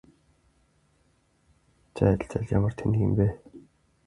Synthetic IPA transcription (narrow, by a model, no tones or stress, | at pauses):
t͡ɕʰæ̰̆ːɬt͡sæ̰ɮja̰mə̆r̥t̪ʰenĭɣɘ̰̆mpeː